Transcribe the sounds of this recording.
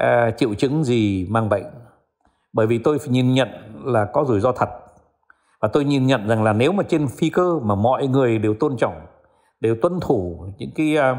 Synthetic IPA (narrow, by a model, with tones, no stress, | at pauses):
t͡ɕḭ˧˨əwt͡ɕɨ˨˦ŋzi˨˩maː˧ŋɓə̰˧˨jŋ̟ | ɓəː˧˩jvi˨˩t̪o˧jɲi˨˩nɲə̰˧˨nlaː˨˩kɔ˨˦zu˧˩jzɔ˧t̪ʰə˨˩t̚ | vaː˨˩t̪o˧jɲi˨˩nɲə̰˧˨nza˨˩ŋlaː˨˩ne˨˦wmaː˨˩t͡ɕe˧nfi˧kəː˧maː˨˩mɔ̰˧˨jŋɨ˨˩əjɗe˨˩wt̪o˧nt͡ɕɔ̰˧˨wŋ͡m | ɗe˨˩wt̪wə˧nt̪ʰu˧˩ɲɨ̰˧˥ŋkaː˨˦j